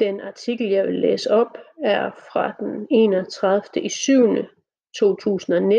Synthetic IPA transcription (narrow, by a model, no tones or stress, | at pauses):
d̥enɑ̈t͡sʰiɡ̥l̩jɑ̈ɪʋe̝lːḛːsəɒ̽b̥æɐfʁɑ̈d̥ene̝̰ːnɒt͡sʰʁað̞ˠfd̥əʔisyʊnə | t͡sʰo̝̰ːt͡sʰṵːsn̩ɒ̽ne